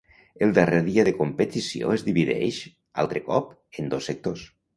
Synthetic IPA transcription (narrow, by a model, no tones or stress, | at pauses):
əlˠd̪areðiaðəkompət̪isio̰ezðiβiðɛ̰ʃ | a̰lˠt̪ɾəkɔp | ənd̪osːək̚t̪os